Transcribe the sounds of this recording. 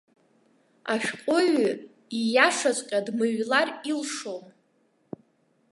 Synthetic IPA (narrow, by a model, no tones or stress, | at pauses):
aʃʲᶣqʷʼʊɥ | ijaʂat͡sʷʼqʲʼadmɨɥlarilʂow